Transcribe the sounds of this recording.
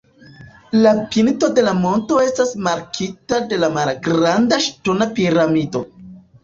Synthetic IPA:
lapinto̞de̞lamo̞nto̞e̞stasmaɾkʰitade̞lamalɡɾandaʃto̞napiɾamido̞

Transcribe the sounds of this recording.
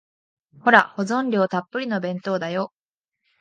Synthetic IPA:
ho̞ɾaho̞zõ̞nɾʲo̞ːt̪apːɯ̟ɾʲino̞bẽ̞nt̪o̞ːd̪ajo

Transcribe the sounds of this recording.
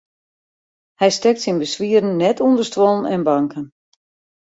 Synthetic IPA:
hɛjstɛk̚tsinbəsʋiədən̩ːɛtʰundərstʋɔlˠənɛnbaŋkʰən

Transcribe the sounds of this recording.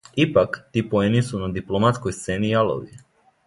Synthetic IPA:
ipakt̪iːpoenisunad̪iplomat̪skojst̪seːnijalˠo̰ʋi

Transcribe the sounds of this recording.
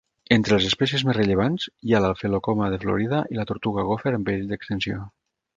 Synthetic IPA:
ent̪ɾəlezespɛs̬iəzmerəʎəβ̞anzjalalˠfelokomaðəflo̰ɾiðaʔilat̪oɾt̪uɣaɣofeɾəmbed̪əkst̪ənsio

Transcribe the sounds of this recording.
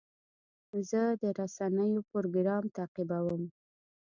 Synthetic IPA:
zəd̪əɾasanəjopoɾoɡɾɑmt̪aqibawəm

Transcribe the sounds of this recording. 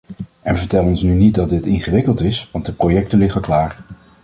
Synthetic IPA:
ɛnvəɹtɛləɔnsnynit̚dɑt̚d̚ɪtɪnχəʋɪkəlˠtɪsʋɑnt̚dəprojɛk̚təlɪχəklaːr

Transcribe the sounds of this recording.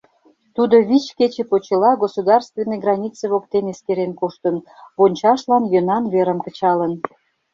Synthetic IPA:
t̪ud̪oβit͡ɕket͡ɕĕpot͡ɕəlɑɡosod̪ɑrst̪venːeɡrɑnʲit͡seβokt̪eneskeɾenkoʃt̪ənβonʲt͡ɕɑʃlɑnjønɑnβeɾəmkət͡ɕɑlən

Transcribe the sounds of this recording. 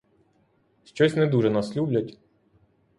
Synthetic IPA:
ɕʲt͡ʃɔsʲnɛd̪uʐɛnɐslʲublʲɐtʲ

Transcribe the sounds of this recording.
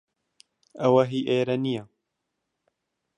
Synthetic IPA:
ɐwɐɦiːʔeːɾɐnija

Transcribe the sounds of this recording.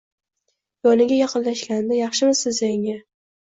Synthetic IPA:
jɒnɪɡʲajɑqɨnlaʃkʲanɪd̪ajɑχʃɪmɪzsɪzaɪŋʲa

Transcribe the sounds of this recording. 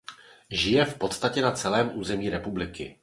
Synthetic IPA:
ʒɪjɛfpo̞t̪st̪acɛnat͡sɛlɛːmʔuːzɛmiːɾɛpublɪkɪ̰

